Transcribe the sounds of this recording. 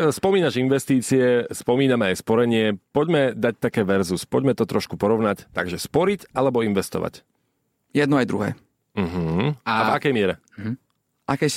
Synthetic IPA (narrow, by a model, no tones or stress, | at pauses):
spɔmiːnaʒinʋɛst̪iːt͡siɛspɔmiːnamɛajspɔɾɛɲɪɛpɔɟmɛd̪ac̚t̪akɛːʋɛɾzuspɔɟmɛt̪ɔt̪ɾɔʃkupɔɾɔʊnact̪aɡʒɛspɔɾicalɛbɔinʋɛst̪ɔ̰ʋa̰c | jɛd̪̚nɔajd̪ɾuɦɛ̰ː | m̩ɦ̩avakɛjmɪɛɾɛ | ʔakɛː